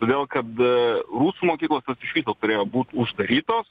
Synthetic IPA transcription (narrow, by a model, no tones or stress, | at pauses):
t̪oːd̪ʲeːlˠkɐt̪ɾuːsuːmoːkʲiːklˠoːst̪ɐsɪʃʲʋʲiːt̪oːt̪ʊɾʲeːjoːbuːt̪ʊʒd̪ɐɾʲiːt̪oːs